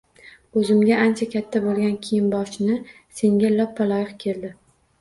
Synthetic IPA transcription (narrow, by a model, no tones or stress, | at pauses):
ɵzɪmɡʲaʔant͡ʃʰakʲʰat̪ʰːabolˠɡʲankʲʰijɪnbɒʃɪnɪ | se̞ŋɡʲalɒpʰːalˠɒjɪqkʲʰe̞ld̪ɪ